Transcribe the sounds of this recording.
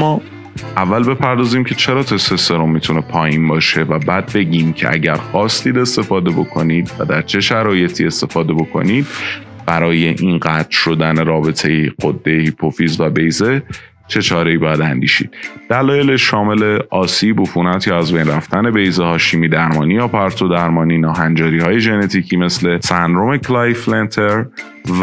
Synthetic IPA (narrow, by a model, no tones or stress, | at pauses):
mɒː | ævːælbe̞pʰæɾd̪ɒːziːmcʰe̞t͡ʃʰe̞ɾɒːt̪ʰe̞seseɾomːit̪ʰune̞pʰɒːjiːnbɒːʃe̞væbæːd̪̚be̞ɟiːmcʰe̞̰ʔæ̰ɟæɾxɒːst̪iːd̪e̞st̪e̞fɒːd̪ebo̞kʰo̞niːd̪væ̰d̪æɾt͡ʃʰe̞ʃæɾɒːje̞t̪ʰie̞st̪e̞fɒːd̪e̞bo̞kʰo̞̰niːd̪̥̚ | b̥æɾɒːje̞ʔinɢæːt̪ɾ̥ʃo̞d̪æne̞ɾɒːbe̞t̪ʰejeɢod̪ːejehipʰo̞fiːzvæbe̞jze̞ | t͡ʃʰe̞t͡ʃʰɒːɾe̞iːbɒjæd̪ænd̪ḭːʃḭːd̪̥d̪̥ælɒːjeleʃʃɒːme̞le̞ɒːsiːbofuːnæt̪ʰjɒæzbe̞jnræft̪æne̞be̞jzehɒːʃiːmiːd̪æɾmɒːnijɒːpʰæɾt̪ʰod̪æɾmɒːniːnɒːɦænd͡ʒɒːɾiːhɒːje̞ʒe̞ne̞t̪ʰiːcʰiːme̞sle̞sænd̪ɾomekʰlæjflent̪ʰe̞ɾ